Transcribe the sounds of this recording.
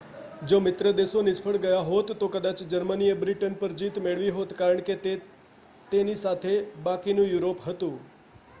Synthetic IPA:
d͡ʒomɪt̪ɾəd̪eʃonɪt͡ʃfʰəɭɡəjaɦot̪ːokəd̪at͡ʃd͡ʒəɾmənijəbɾiʈənpəɾd͡ʒit̪meɭʋiɦot̪kaɾəɳ̃ke | t̪enisat̪ʰebakinũjuɾopɦət̪ũ

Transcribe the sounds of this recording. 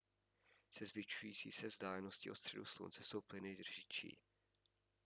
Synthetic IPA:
sɛzvɪt͡ʃujiːt͡sḭːsɛvzdaːlɛno̞scɪʔost̪r̥ɛ̰duslṵnt͡sɛsowplɪnɪd̪r̩ʒɪt͡ʃḭː

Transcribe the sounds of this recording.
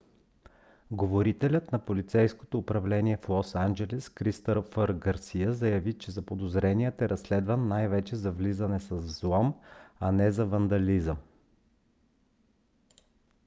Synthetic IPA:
ɡovoɾit̪ɛlʲət̪nɐpolit̪sɛjsko̥t̪oːpɾɐvlɛniɛflˠɔsand͡ʒɛlɛskɾist̪əɾfəɾɡɐɾsijəzɐjɐvit͡ʃɛzɐpod̪ozɾɛnijət̪ɛɾʔɐslɛd̪vənːajvɛt͡ʃɛzɐvlizɐnɛsɐzzlˠɔmɐnɛzɐvɐnd̪ɐlizə

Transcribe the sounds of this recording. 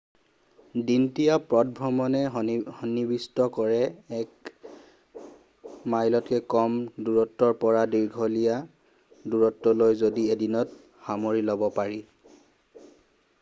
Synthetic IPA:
dintijapɹɔt̚bʱɹɔmɔnɛhɔnibistɔkɔɹɛːk | majlɔtkɛkɔmduɹɔtːɔɹpɔɹadiɹɡʱɔlija | duɹɔtːɔlojzodiedinɔt | xamoɹilɔbɔpaɹi

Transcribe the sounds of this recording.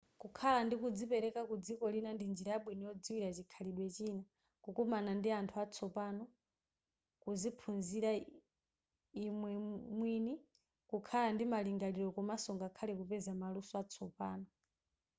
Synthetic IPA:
kukʰalandikud͡zipɛɾɛkakud͡zikɔlinandind͡ʒiɾajaɓwinijɔd͡ziwiɾat͡ʃikʰaliɗwɛt͡ʃina | kukɔmanandiantʰuat͡sʰɔpanɔ | kuzipʰunziɾa | imwɛmwini | kukʰalandimaliŋɡaliɾɔkɔmasɔŋɡakʰalɛkupɛzamalusɔat͡sʰɔpaːnɔ

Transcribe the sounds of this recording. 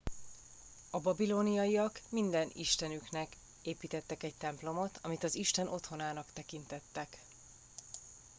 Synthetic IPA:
ɒbɒbilonijɒjijɒkmind̪ɛniʃt̪ɛnyknɛk | eːpiːt̪ɛt̪ːɛkɛc̚t̪ɛmplo̞mo̞t̪ʰɒmit̪ɒziʃt̪ɛnʔo̞t̪ho̞naːnɒkt̪ɛkint̪ɛt̪ːɛk

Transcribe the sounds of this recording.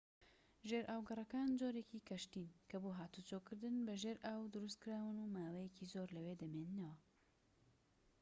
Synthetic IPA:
ʒeɾʔaːwɡɐrˤɐkaːnd͡ʒoːɾeciːkʰɐʃt̪iːnkʰɐboːɦaːt̪ut͡ʃokɨɾd̪ɨnbɐʒeːɾʔawd̪ɨɾust̪kɨɾaːwɨnumaːwejecizoɾlɐweːd̪ɐmennɐwɐ

